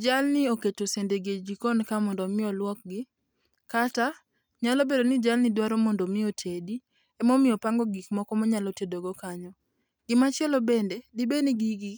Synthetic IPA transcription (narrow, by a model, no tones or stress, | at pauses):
d͡ʒalnɪoketosendeɡed͡ʒikɔnkamɔndɔmɪɔlwɔk̚ɡɪ | kata | ɲalɔbedonɪd͡ʒalnɪdwaɾɔmondomɪotʰedi | ɛmɔmɪɔpaŋɡɔɡikmɔkɔmɔɲalɔtedoɡokaɲɔ | ɡ̥ɪmat͡ʃɪɛlɔbendedɪbeneɡiɡi